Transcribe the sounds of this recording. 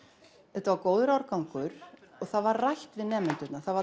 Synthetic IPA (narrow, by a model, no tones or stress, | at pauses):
ɛt̪avakoːwðʏɾawɾkawŋkʏɾ̥ɔɣθaðvaɾrajht̪vɪðnɛːmɪnt̪ʏt̪naθava